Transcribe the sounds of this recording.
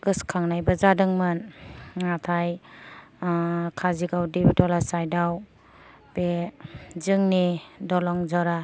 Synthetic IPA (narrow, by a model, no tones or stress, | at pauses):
ɡɯskʰaŋnajbazadɯŋmɯnŋatʰaj | kʰaziɡawdibʱitɔlasajdaw | b̥e | zɯŋnidɔlɔŋzɔɾa